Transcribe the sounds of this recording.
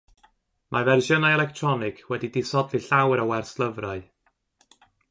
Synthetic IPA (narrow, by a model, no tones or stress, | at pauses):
mʔavɛrʒənajɛlɛktʰrɔnɪkʰwɛdidɪsɔdlˠiɬawɾəwɛrslˠəvraɨ